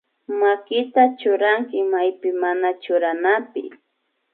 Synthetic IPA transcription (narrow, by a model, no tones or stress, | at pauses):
makɪt̪at͡ʃʊɾaŋkɪmajpɪmanat͡ʃʊɾanapɪ̰